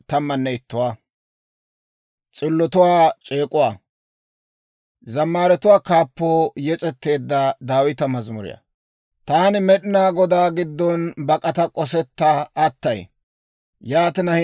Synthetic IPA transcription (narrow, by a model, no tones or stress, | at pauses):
t̪ɐmːɐnːɛɪt̪ːʊwaː | t͡sʼɪlːɔt̪ʊwaːt͡ʃʼeːkʼʊwaː | zɐmːaːɾɛt̪ʊwaːkaːpːoːjɛt͡sʼɛt̪ːe̞ːd̪ːɐd̪aːwɪt̪ɐmɐzmʊɾɪ̰jɐ̰ | t̪aːnɪmɛɗɪnaːɡɔd̪aːɡɪd̪ːɔnbɐkʼɐt̪ɐkʼɔsɛt̪ːɐːt̪ːɐj | jaːt̪ɪnɐ